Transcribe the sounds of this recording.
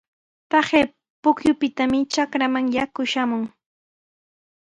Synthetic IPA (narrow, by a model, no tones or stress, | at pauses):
t̪ɑχeː | pʊkjʊpɪt̪amɪt͡ʃakɾamaŋjakʊʃamʊŋ